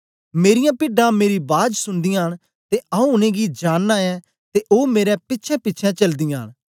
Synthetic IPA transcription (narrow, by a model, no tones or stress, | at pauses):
meːɾɪjãpɪɖãmeːɾibaːd͡ʒsʊnd̪ɪjãɦn | t̪eɐũʊnẽːɡid͡ʒaːnːaɛ | t̪eʔoːmeːɾɛpɪtːʃʰɛ̃pɪːʃʰɛ̃t͡ʃɐld̪ɪjãːəñ